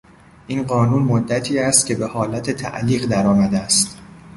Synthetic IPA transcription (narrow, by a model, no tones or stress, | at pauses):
ʔiːnɢɒːnuːnmod̪ːæt̪ʰiːæst̪̚cʲʰe̞be̞hɒːlæt̪ʰet̪ʰæ̰ʔliːɣd̪æɾɒːmæd̪eæst̪